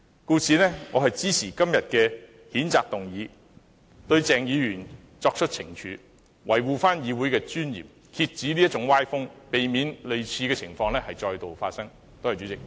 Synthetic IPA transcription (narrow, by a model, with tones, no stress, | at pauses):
kuː˧sʰiː˨nɛː˥ŋɔː˨˧ɦɐ˨jt͡siː˥sʰiː˨˩kɐ˥mjɐ˨t̚kɛː˧ | hiː˨˥nt͡saː˨k̚t̪ʊ˨˩ŋjiː˨˧ | t̪ɵ˧ɥt͡sɛː˨ŋjiː˨˧jyː˨˩n | t͡sɔː˧k̚t͡ʃʰɵ˥t̚t͡sʰɪ̰˨˩ŋt͡ʃʰyː˨˧˥ | wʔɐ˨˩jwuː˨faː˥njiː˨˧wu˨˥jkɛː˧t͡ʃyː˥njḭː˨˩p̚ | kʰiː˧t̚t͡siː˨˥li˥ɐ˥t̚t͡ʃʊ˨˥ŋwaː˥jfʊ˥ŋpe˨jmiː˨˧nlɵ˨ɥt͡sʰiː˧kɛː˧t͡sʰɪ˨˩ŋfɔː˧ŋlɛː˥hɐ˨jt͡ʃɔː˧jt̪o˨wfa̰ː˧t̚sɐ˥ŋ | t̪o˥hɐ˨˩jt͡ʃy˨˧˥t͡sɪ˨k̚